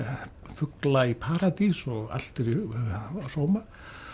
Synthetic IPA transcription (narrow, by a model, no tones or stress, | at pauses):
fʏklaipʰaːɾat̪isɔɣa̰l̥t̪ɪɾ | soːwma